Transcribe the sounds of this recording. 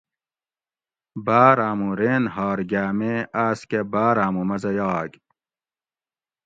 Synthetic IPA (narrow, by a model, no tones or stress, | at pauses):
baːɾaːmuɾeːnhɑːɾɡaːmeːʔaːskebaːɾaːmumɐzɐjɑːɡ